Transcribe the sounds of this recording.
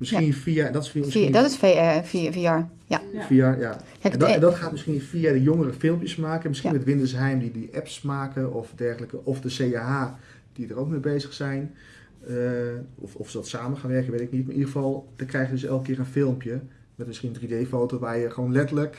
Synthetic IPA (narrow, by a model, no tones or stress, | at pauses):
mɪskiənfiandɔtɪsfimsidtɪsfeffia | jafiaja | ɛndndɔtxaːtmɪskiənfiadəjoŋərəfɪlˠmpjəsmaːkəmɪskinmɛtʋɪndəsɦɛjmdidiʔɛpsmaːkəɔfdɛrxələkəʔɔfdəseːaaː | d̥idərowk̚mebeːzəxsɛjn | əɔɔfsədɔtsaːmənxaːnʋɛrkənʋetɪknit̚maʔidəɣxəfɔlˠd̥əkrɛjxjədøsɛ̰lˠk̚kːɪːənfɪlˠmpjə | mɛtmɪskiəndrideːfoːtoʋaːjəxəʋoːnlɛtələk